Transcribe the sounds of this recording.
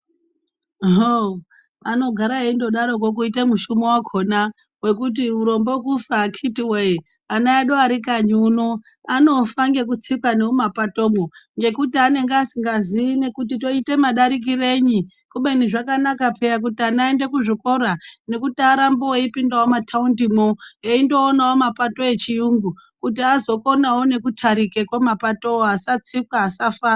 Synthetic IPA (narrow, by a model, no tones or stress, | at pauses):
ɦo | ano̞ɡʱaɾaeindo̞ɗaɾo̞kok̬uitemuʃumowakʰona | we̞kut̬iuɾo̞mbokufakʰitiwei | anaaɗoaɾikaɲuːno | ano̞faŋɡe̞k̬ut͡sikaneumapato̞ːmoŋɡe̞kutiane̞ŋɡeasiŋɡaziine̞kutito̞itemaɗaɾik̬ire̞ːɲi | kuɓe̞niʐakanakapejak̬utianaende̞kuʐiko̞rane̞kutiaɾamboweipindawomatʰaundimoeindo̞ːnawomapato̞e̞t͡ʃijuŋɡukutiazo̞ko̞nawone̞kutʰaɾikekwomapato̞oasat͡sikwaːsafaː